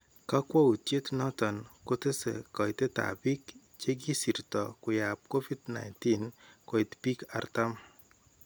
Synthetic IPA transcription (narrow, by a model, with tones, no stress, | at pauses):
ka˦kwɔ˦u˨tje˦tnɔ˦tɔ˨nko˦te˦sḛ˨kɔ˨jte˦ta̰˨bi˦k | t͡ʃe˦ɡ̬i˦si˨ɾtɔ̰˨kʊ˨ja˨p̚ko˦fi˦dna̰˨nti˦nko˨i˨tpi˦ka̰˦rta˦m